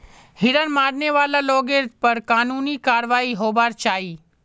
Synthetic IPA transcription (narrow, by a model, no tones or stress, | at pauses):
hɪɾənmaːɾneʋaːlaloːɡeɾt̪pɐɾkaːnuːnikaːɾʋaːiɦoːbaːɾt͡ʃaːiː